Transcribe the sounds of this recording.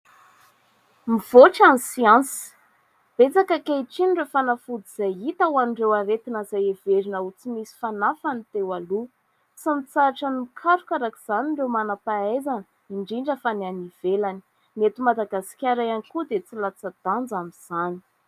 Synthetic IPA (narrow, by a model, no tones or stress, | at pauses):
miv̥oʈ͡ʂanisiãnsi̥ | b̥et͡sakakeiʈ͡ʂinɖ͡ʐefanafud̪iz̥ajit̪awaniɳɖ͡ʐewaɾet̪inəzajeveɾinəut͡simisi̥fanafanit̪ewalu | t͡simit͡saʈ͡ʂanimikʰaɾukaɾakiz̥aniɳɖ͡ʐewmanapaezanə | iɳɖ͡ʐiɳɖ͡ʐəfananiv̥elani̥ | met̪umad̪aɡasi̥kʲaɾajanikud̪et͡silat͡sad̪̥and͡zamiz̥ani̥